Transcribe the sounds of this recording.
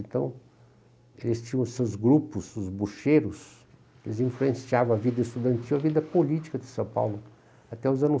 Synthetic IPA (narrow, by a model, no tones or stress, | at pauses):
nt̪ɐ̃w̃ | elɪst͡ʃĩɲɐ̃ʊsewzɡɾupʊsʊzbuʃeɾʊs | elɪzĩfluẽsiavɐ̃w̃avid̪ɐɪst̪ud̪ɐ̃nt̪iwɐvid̪ɐpolit͡ʃi̥kɐd̪ɪsɐ̃w̃pa̰wlʊ | at̪ɛʊzɐ̃nʊ